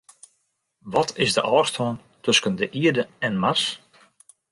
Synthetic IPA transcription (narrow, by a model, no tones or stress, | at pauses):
ʋɔtʰɪsdəʔɔːrstoːn | tʰɵskəndəʔiədəɛnmas